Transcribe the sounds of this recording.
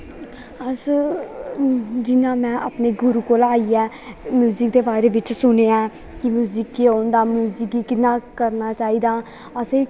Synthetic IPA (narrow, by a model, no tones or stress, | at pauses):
əs | d͡ʒɪnãːmɛ̃ːʔapneːɡʊɾuːkoːlaːiɛː | mjuːziːk̚d̪eːbaːɾeːʋɪt͡ʃsʊneːãː | kɪmjuːziːkːioːnd̪aːmjuːziːkiːkɪnãːkəɾnaːt͡ʃaːiːd̪aː | əseː